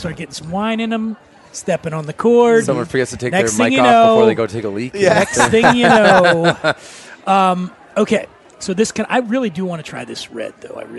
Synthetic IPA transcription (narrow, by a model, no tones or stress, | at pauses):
stɑɹt̚ɡ̥ɛɾɪ̃ŋsʌ̃mwãɪ̃nɨ̃nə̃m | stɛpɪ̃ŋə̃nðɨkʰɔɹdsʌ̃mwʌ̃fə˞ɡɛtstʰɨtʰeɪnɛksθɪɪŋjjɨnoʊɡoʊtʰeɪkəlikɛksθɪ̃ŋjɨnooʊʊ | ʌ̃m | oʊkʰeɪ | soʊðɪskɨ̃na̰ɪɹɪlˠidɨwɑ̃ñɨtʰɹ̥a̰ɪðɪsɹɛ̰d̪̚ðo̰ʊa̰ɪɹɪ